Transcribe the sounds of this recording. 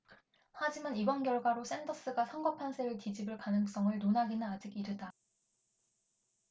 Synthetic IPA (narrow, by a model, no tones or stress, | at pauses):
had͡ʑimanibʌnɡjʌɭɡwaɾos͈e̞ndʌs͈ɯɡasʰʌŋɡʌpʰansʰeɾɯkid͡ʑibɯɭkanɯŋs͈ʌŋɯɭnonaɡinɯnad͡ʑiɡiɾɯda